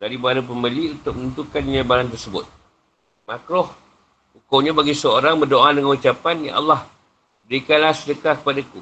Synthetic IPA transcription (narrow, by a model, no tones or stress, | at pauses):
daɾibaɾəp̬əməliunt̪ʊk̚mənəunt̪ukandiɲabalant̪̬ərsəbʊ̰t̪̚ | makɾɔh | ukowɲabaɡisəoɾaŋbərdoadəŋanut͡ʃapanja̰ʔa̰lːɑh | bəɾikanlahsədəkakə̥padaku